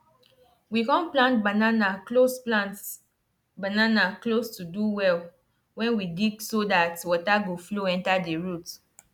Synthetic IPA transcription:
wikɔ̃nplãntbananaklosplãnt | bananaklostuduwɛl | wɛ̃nwidiɡsodatwɔtaɡofloɛ̃ntadeɹut

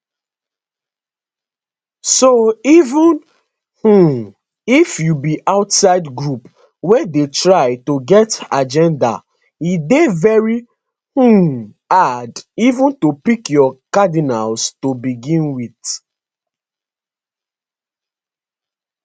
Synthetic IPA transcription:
soivũn | h̩ | ifjubiʔaʊtsaɪdɡɹup | wɛdetɹaɪtoɡɛtad͡ʒɛ̃nda̰ | idevɛɹi | h̩ | adivũntopikjɔkadinalstobiɡĩnwiθ

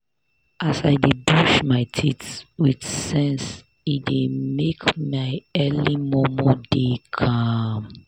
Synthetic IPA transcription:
asaɪdibuʃmaɪtʰitswidsɛ̃ns | idemekmaɪɛlimɔmɔdekʰam

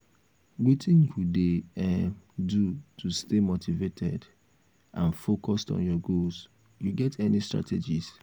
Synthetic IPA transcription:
witĩnkudeɛmdutʰustemotʰivetʰɛ̰d | ʔãnfokɔstɔ̰̃njɔɡols | juɡɛtʰɛnistɹa̰tʰed͡ʒiz

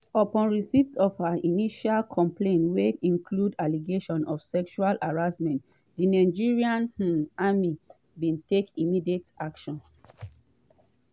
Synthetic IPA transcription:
ɔpɔ̃nɹisitɔfhaʔiniʃalkʰɔ̃mplẽnweĩŋkʰludaliɡeʃɔ̃nɔfsɛkʃualaɹasmɛ̃nt | dinaɪd͡ʒiɹiãnh̩ami | bĩntekimidietakʃɔ̃n

